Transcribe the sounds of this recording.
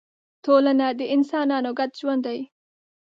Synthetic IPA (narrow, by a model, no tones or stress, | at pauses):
t̪olanad̪əʔɪnsɑːnɑːnoɡat̪̚ʒwand̪aj